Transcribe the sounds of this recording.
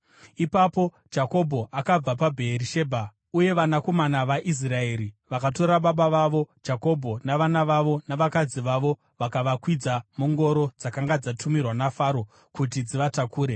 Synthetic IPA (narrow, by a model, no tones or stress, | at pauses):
ipapo̞ | d͡ʒako̞bʱo̞ʔakab͡vapabʱe̞ːɾiʃe̞ːbʱa | uje̞ʋanako̞manaʋaʔis̬rae̞ːɾiʋakat̬o̞ɾaɓaɓaʋaʋo̞d͡ʒako̞bʱo̞naʋanaʋaʋo̞naʋakad͡ziʋaʋo̞ | ʋakaʋakwid͡zamuŋɡo̞ɾo̞d͡zakaŋɡad͡zatumirwanafaɾo̞ | kut̬id͡ziʋatakuːɾe̞